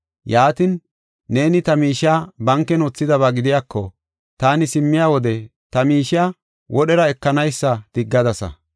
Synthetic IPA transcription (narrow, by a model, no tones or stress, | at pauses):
jaːt̪ɪnː | e̞ːnɪt̪ɐmiːʃaːbɐŋkːɛnoːt͡sːɪd̪ɐβaːɡɪd̪ɪjaːkʰːɔ | t̪aːnɪsɪmːɪjaːwɔd̪ɛt̪ɐmiːʃaː | wʔɔɗɛɾɐɛkːɐnɐjsːɐd̪̥ɪɡːɐd̪ɐsɐ̰